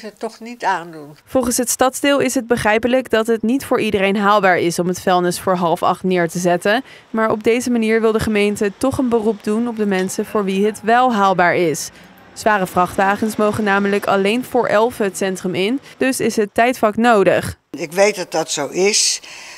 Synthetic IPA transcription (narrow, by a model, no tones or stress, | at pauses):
ətɔχnitaːndunv̥ɔlˠχənsɦətstɑtzdɪːlˠɪsɦəd̚bəχrɛjpələkdɑtɦətnitfʊːɹʔidərejnɦaːlˠbaːɹɪsɔmɦətfɛlˠnɪsfʊːɹɦɑlˠəfɑ̰χtnɪːɹtəzɛtən | maːɹɔ̰b̚dejzəmaniːɹʋɪlˠdəχəmejntətɔχənbərup̚dunɔb̚dəmɛnsəvʊːɹʋiɦətʋɛlˠɦaːlˠbaːɹɪs | z̥ʋaːrəvrɑχtʋaːχənsmowχənaːmələkɑ̰lejnvʊːɹʔɛlˠvəɦətsɛntrəmɪnd̥ɵsɪsɦətːɛjtfɑknowdəχ | ɪkʋejt̚dɑt̚dɑtsowɪs